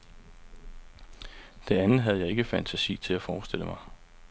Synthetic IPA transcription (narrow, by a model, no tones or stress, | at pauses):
d̥e̝ænð̩ˠɦæð̞ˠjɑ̈ɪe̝ɡ̥əfæn̰t͡sʰæsḭːt͡sʰe̝læfɒːsd̥e̝l̰əmɑ̈ɪ